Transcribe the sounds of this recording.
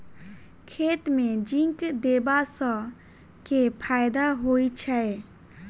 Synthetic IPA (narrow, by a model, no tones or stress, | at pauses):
kʰeːt̪mẽd͡ʒĩŋkd̪eːbasə̃ | kepʰaːjd̪aɦoːit͡ʃʰɛe